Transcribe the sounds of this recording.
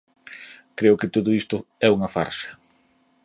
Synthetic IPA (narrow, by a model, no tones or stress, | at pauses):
kɾeʊkɪt̪oðʊist̪ʊɛuŋɐfa̰ɾʃɐ̥